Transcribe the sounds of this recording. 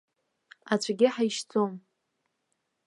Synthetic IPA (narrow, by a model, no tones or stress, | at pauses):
at͡ɕʷʰʼaɡʲɪħajʃd͡zʼom